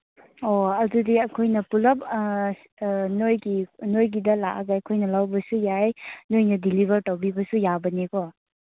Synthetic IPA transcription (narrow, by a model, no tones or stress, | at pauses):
oɐdudiɐkʰojnɐpulɐp̚ | nojɡinojɡidɐlaʔaɡajɐkʰojnɐlawbɐsujajnojnɐdilibʱɐɾtɐwbibɐsujabɐnekɔ